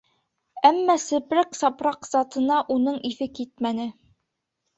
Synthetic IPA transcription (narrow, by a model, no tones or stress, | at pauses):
æmːæsɘ̆pɾæksɑpɾɑqz̥ɑt̪ɤ̆nɑʔunɤɴʔiθɘkit̪̚mænɘ